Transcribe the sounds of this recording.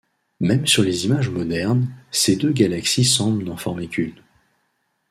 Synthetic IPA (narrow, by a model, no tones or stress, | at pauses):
mɛmsyʁlezimaʒmɔd̪ɛʁnsed̪øɡalaksisɑ̃blnɑ̃fɔʁmekʲʰyn